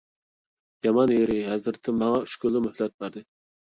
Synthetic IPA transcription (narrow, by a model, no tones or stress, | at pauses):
jɑmɑnjeɾɪɦɛzɨɾt̪ʰɪmɑŋɑy̥ʃkʲylːɪmøhlɛt̪̚bæɾd̪ɨ